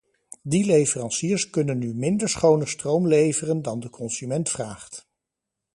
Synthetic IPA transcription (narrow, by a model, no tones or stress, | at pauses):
dilejvərɑnsiːɹskɵnənːymɪndəɹsχownəstrowmlejvərəndɑndəkʰɔnzymɛntfraːχt